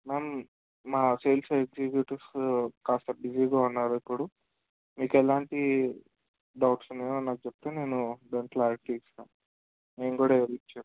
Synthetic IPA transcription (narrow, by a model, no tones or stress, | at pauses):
meːmː | aːseːlseɡzibjuːʈɐɾskaːst̪ɐbid͡ʒiːɡaːunːaːɾuipːuɽu | miːkɛlaːɳʈi | ɖɐwʈsneːɐnːaːk̚t͡ʃep̚t̪eːne̞ːnuɖeɳʈlaːɾiʈiːksaː | neːŋɡuːɽaeʋɐɾit͡ʃːaː